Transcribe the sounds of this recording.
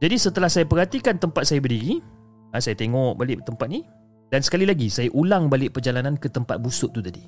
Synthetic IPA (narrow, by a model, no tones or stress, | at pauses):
d͡ʒadisət̪əlahsajapərɦat̪ikant̪əmpat̪̚sajabərdiɾi | asajat̪eŋɔʔbalɪʔt̪əmpat̪̚ni | dansə̥kalilaɡisajaʔulaŋbalɪʔpərd͡ʒalanankət̪əmpa̰t̪̚busʊʔ̚t̪ut̪adi